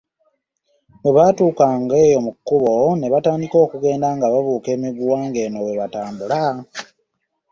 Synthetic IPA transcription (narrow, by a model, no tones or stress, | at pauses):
ŋeβaːtuːkaːŋɡe̞jo̞mukːuβo̞ne̞βataːndiko̞ːkuɡe̞ːndaŋɡaβaβuːke̞ːmiɡuwaːŋɡe̞ːnoweβataːmbula